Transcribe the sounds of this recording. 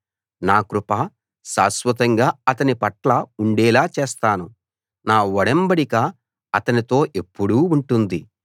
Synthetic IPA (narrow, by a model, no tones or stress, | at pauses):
naːkɾupaː | saːsʋɐt̪̬ɐŋɡaːɐt̪ɐnipɐʈlɐuɳɖɛːlaːt͡ʃeːst̪aːnu | naːʋɔɽɐmbɐɽikɐ | ɐt̪ɐnit̪o̞ːʔe̞pːuɽuːuɳʈund̪i